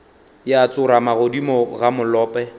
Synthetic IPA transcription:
jːt͡sʼʊɾamaɣodimɔɣamʊlɔːpʼɛ

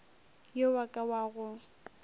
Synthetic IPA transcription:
jewakʼawaɣʊ

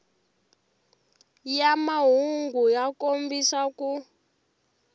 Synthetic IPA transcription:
jamaɦuŋɡujakombisaku

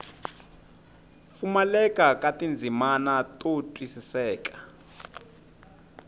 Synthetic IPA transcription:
fumalɛkʼakʼatʼind͡zʱimanatʼotʼwisisɛːkʼḁ

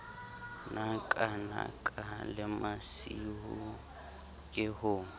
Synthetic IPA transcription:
nakʼana̰kʼalɪmasihu | kʼɪhʊː

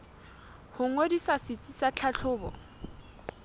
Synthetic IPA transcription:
hʊŋ̩wedisasɪt͡sʼisat͡ɬʰaɬʰʊːbɔ̰

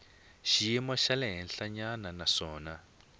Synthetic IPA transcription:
ʃijimɔʃalɛɦɛnɬaɲananaʂɔːna

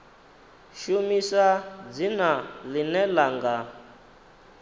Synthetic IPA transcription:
ʃumisad͡zinalinɛlaŋɡa

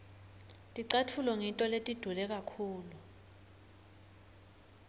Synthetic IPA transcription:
tʼiǀatʰulɔŋintʼɔletʼid̥ʱulɛk̬akʰuːlu

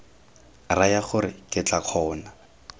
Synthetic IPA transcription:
rajaχʊɾɪkʼɪt͡ɬaq͡χʰɔːna

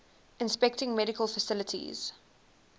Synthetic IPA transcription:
ɪ̃nspɛk̚tɪ̃ŋmɛɾɪkʰəlfəsɪlətʰḭz̥

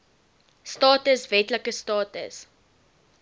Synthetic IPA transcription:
stɑːtəsvɛtləkəstɑːtə̰s

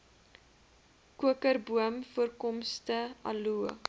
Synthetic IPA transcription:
kuəkərbuəmfuərkɔmstəɐ̰lu

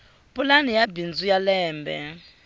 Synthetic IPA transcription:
pʼulanijabind͡zujalɛːmbɛ̰

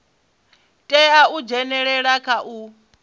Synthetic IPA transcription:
tʼɛaud͡ʒɛnɛɺɛɺakʰaʔu

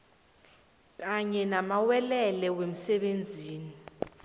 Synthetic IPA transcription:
k̬ʼaɲɛnamawɛlɛlɛwem̩sɛɓend͡zʱiːni

